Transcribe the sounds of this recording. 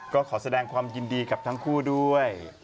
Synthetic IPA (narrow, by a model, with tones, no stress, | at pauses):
kɔː˥˩kʰɔː˩˦sa˧dɛː˧ŋkʰwaː˧mji˧ndiː˧ka˨˩p̚t̪ʰa˦˥ŋkʰuː˥˩du˥˩əj